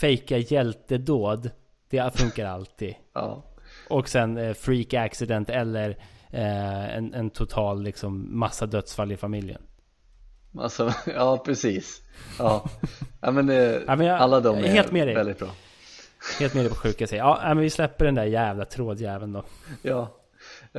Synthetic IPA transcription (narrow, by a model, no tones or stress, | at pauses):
fɛjkajɛlt̪əd̪oːd̪ | d̪̥ɛfɵŋkaɾa̰lt̪ʰiːd̪ | ɑ̰ːʔʔɔksɛnfɾiːkaksɪd̪ɛnt̪ɛlːəɾ | ɛ̰nɛnt̪ʰʊt̪ʰɑːlːɪksɔmːasːad̪œt̪sfalːɪfamɪljə̰n | ma̰sajɑːpʰɾɛsiːsɑːnamɛnamɛnjɑalːad̪ɔmheːlt̪meːd̪ɛvɛld̪ɪt̪̚bɾɑː | heːlt̪meːd̪ɛɪpʰɔɧʉ̟ːkasɛɑːnæɪmɛnvɪslɛpːəɖɛnd̪æɾjæːvlat̪ʰɾoːd̪jæːvənd̪ɔjɑː